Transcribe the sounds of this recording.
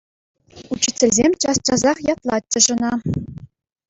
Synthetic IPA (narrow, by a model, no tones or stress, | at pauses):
ut͡ɕːit͡sʲːɘ̆lʲzʲemʲt͡ɕɑst͡ɕɑzɑχjɑt̪lˠɑtʲːɤ̆ʐɤ̆nɑ